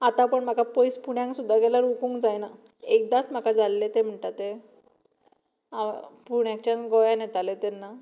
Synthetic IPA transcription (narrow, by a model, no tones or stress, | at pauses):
at̪ãpəɳm̤akapɔjspuɳjãŋksud̪ʱːaɡɛlaɾukuŋkd͡zajna | ek̚d̪at͡s̪m̤akad͡zalːet̪em̤əɳʈat̪e | apuɳjãk̚t͡ɕjanɡɔjanɛt̪alet̪ɛnːa